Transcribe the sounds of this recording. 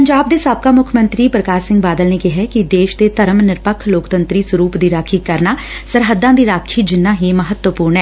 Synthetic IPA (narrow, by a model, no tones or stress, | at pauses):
pəɲd͡ʒaːb̚d̪eːsaːb̚kaːmʊkʰmə̃nt̪ɾiːpɾəkaːɾsɪ̃ŋɡ̚baːd̪əlneːkɪɦɛːkɪd̪eːʃd̪eːt̪əɾəmnɪɾpəkʰloːkt̪ənt̪ɾiːsəɾuːpd̪iːɾaːkʰiːkəɾnaː | səɾɦəd̪ːãːd̪iːɾaːkʰiːd͡ʒɪnːãːɦiːməɦət̪wəpuːɾɳɛː